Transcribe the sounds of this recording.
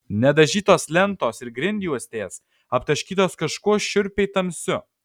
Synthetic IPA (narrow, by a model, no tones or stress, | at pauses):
nʲɛd̪ɐʒʲiːt̪oːslʲɛnt̪oːsɪɾɡɾʲɪnʲd̪ʲjuɔsʲt̪ʲeːs | ɐpt̪ɐʃʲkʲiːt̪oːskɐʃkuɔʃʲʊɾʲpʲɛɪt̪ɐmʲsʲʊ